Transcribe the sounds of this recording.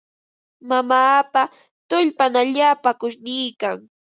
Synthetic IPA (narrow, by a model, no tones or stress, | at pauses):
mamaːpa | t̪ʊʎpanaʎaːpakʊʃnɪːkaŋ